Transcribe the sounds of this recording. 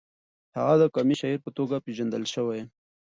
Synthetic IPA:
ha̰ɣad̪əkɑmiʃaiɾpət̪oɡapeʒand̪əlʃəwaj

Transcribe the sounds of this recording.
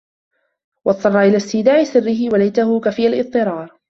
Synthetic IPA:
wʔɑt̪ˤːɑrˤːɑʔɪlaːst̪ɪːd̪aːʕʔɪsɪrːɪɦɪwalajt̪ahʊkafɪːalʔɨt̪ˤːɨɾˤɑːɾˤ

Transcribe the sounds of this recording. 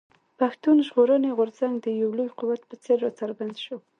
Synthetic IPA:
paxt̪unʒʁoɾəneɣʊɾzaŋɡd̪əjawlujquwat̪pət͡seɾot͡saɾband̪ʃo

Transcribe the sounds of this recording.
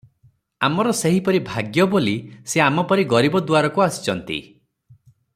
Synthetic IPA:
amɔɾɔseɦipɔɾibʱaɡjɔboliseamɔpɔɾiɡɔɾibɔd̪uaɾɔkuasi̥t͡ʃʰɔnt̪ḭ

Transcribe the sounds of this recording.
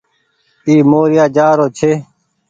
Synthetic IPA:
iːmoːɾɪjaːd͡ʒaːɾoːt͡ʃʰeː

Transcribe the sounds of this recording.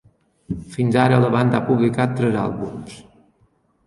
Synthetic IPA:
finzaɾələβand̪əapuβlikat̪ːɾɛza̰lˠβums

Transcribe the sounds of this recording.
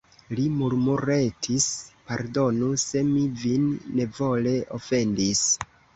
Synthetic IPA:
limuɾmuɾe̞tʰispaɾdo̞nuse̞mivinːe̞vo̞le̞ʔofe̞ndis

